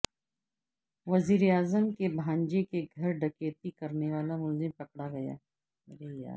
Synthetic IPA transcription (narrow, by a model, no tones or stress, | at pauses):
ʋɐziːɾeaːzəmkebʱãːɲd͡ʒekeɡʱɐɾɖɐkeːt̪ikɐɾneʋaːlamʊlzɪmpɐkɽaɡɐja̰ː | ɐɾeːja̰ː